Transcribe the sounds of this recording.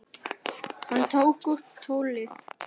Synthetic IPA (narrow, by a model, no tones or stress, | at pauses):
hant̪ʰowkʊt̪ʰoːwlɪθ